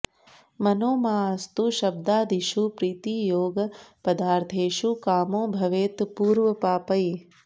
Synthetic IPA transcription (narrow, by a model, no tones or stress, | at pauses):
mɐnoːmaːɐst̪uʃɐb̚d̪aːd̪iʃupɾiːt̪iːjoːɡpɐd̪aːɾt̪ʰeːʃukaːmõːbʱɐʋeːt̪puːɾʋəpaːpəj